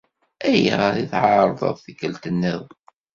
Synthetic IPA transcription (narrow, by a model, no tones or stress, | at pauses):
æjḭðiθʕɑɾˤðˤə̰ðˤθikːəlt̪ənːəð